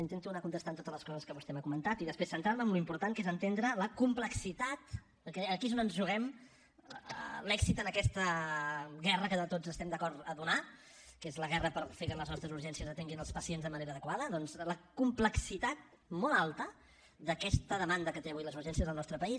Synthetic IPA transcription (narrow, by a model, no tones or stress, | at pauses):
int̪ent̪unakunt̪əst̪ant̪ot̪əzləskɔzəskəβust̪ɛməkumənt̪at̪iðəspɾesənt̪ɾaɾməmluimpuɾt̪aŋkezənt̪end̪ɾələkumpləksit̪at̪ | kɛːkizonənzʒuɣɛm | lɛksit̪ənəkɛst̪ə | ɣɛrəkəðət̪od͡zəst̪ɛmd̪əkɔɾt̪əðuna | kezləɣɛrəpəɾfekələznɔst̪ɾəzuɾʒɛnsiəzət̪eŋɡinəlˠspəsienzðəməneɾəðəkwaðəðɔnzləkumpləksit̪at̪̚ | mɔlˠalˠt̪ə | d̪əkɛst̪əðəmand̪əkət̪eβujləzuɾʒɛnsiəzðəlˠnɔst̪ɾəpəis